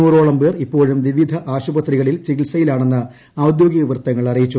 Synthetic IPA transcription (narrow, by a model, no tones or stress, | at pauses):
uːro̞ːɭɐmbeːripːo̞ːɻumʋiʋid̪ʱɐʔaːɕubɐt̪riɣɐɭilt͡ɕiɣilsɐjilaːɳe̞nːɨ | ɐwd̪jo̞ːɡiɣɐʋrt̪ːɐŋːɐɭɐrijit͡ɕːu